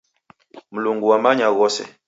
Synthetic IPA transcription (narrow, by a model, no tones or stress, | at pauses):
m̩luŋɡuwamaɲaɣɔsɛ̰